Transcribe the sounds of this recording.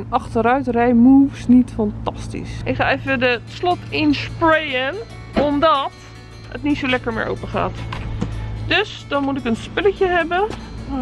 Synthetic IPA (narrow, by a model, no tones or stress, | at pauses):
nɑχtəɾœɥtrɛjmuːfsnitfɑntɑstḭsɪkχaːevəədətslɔtɪnsprejən | ɔmdɔt | ə̰tnitsolɛkəɹmɪ̰ːɹʔo̰wpəχa̰ːt | døsdɔnmutɪkənspɪləcəɦɛbə